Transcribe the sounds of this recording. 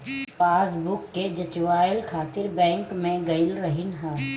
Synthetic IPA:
paːsbʊkːed͡ʒɐt͡ʃʋaːɪlkʰaːt̪ɪɾbɛ̃ːŋkmẽɡɐɪlɾɐɦɪnɦɛ̃ː

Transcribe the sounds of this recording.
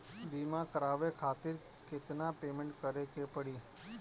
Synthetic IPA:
bimãkəɾaʋekʰat̪iɾ | ket̪napemẽɳʈkəɾekepəɽi

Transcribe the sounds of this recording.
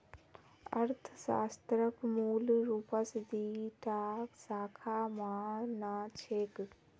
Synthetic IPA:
əɾt̪ʰsa̰ːst̪ɾəkmuːlɾuːpəsd̪iːʈaːksaːkʰamaːnaːt͡ʃʰeːk

